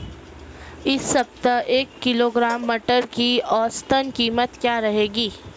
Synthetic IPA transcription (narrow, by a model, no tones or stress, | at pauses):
ɪsːɐb̚t̪əeːkːɪloːɡɾaːmːəʈəɾkiɔːst̪ənkiːmət̪kjaːɾɐɦeːɡiː